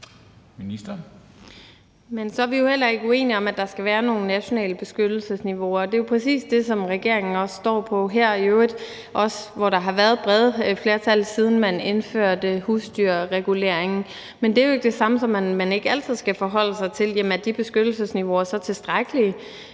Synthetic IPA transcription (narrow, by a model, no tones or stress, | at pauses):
minisd̥ɐ | mensɒ̽æʋijo̝hel̰ɐe̝ɡ̥əue̝̰ːniɒ̽mæd̥ɑ̈sɡ̥æʋæːɐno̝ːn̩næɕo̝nɛ̰ːləb̥e̝sɡ̥ød̥l̩səsniʋo̝ɐːd̥e̝jo̝pʰʁɛsḭːsd̥e̝sɒ̽mʁɛɡ̥e̝ɐ̰e̝ŋn̩ɒ̽sːd̥ɒ̰ːpʰɒ̽ɦeɐ̰iøː | ʔɒ̽sʋɒɾɑ̈ɦɑ̈ʋæɐðˠb̥ʁɛð̞ˠfle̝ːɐt͡sʰæl̰siːð̞ˠn̩mæne̝nfø̰ɐ̰d̥əhuːsd̥yɐ̰ʁɛɡ̥ule̝ɐ̰e̝ŋn̩ | mend̥e̝æɐjoe̝ɡ̥əd̥e̝sɑ̈məsɒ̽mænmæne̝ɡ̥əæl̰t͡sʰð̰ˠsɡ̥æfɒɦɒ̽l̰əsɑ̈ɪt͡sʰe̝ljemæd̥ib̥e̝sɡ̥ød̥l̩səsniʋo̝æɐsɒ̽t͡sʰe̝sd̥ʁaɡ̥əliə